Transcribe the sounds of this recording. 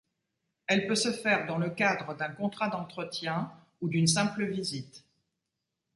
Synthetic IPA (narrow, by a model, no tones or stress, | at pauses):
ɛlpøsəfɛʁd̪ɑ̃ləkad̪ʁəd̪ɛ̃kɔ̃t̪χad̪ɑ̃t̪χət̪jɛ̃ | ud̪ynsɛ̃pləvizit̪